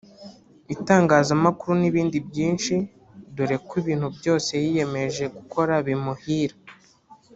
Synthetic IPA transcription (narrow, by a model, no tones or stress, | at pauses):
itaːŋɡaːzamakuɾuniβiːndibjiːnʃi | duɾe̞kwiβiːn̥hubjo̞ːse̞jije̞me̞ʒe̞ɡukʰo̞ɾaβimuhiːɾa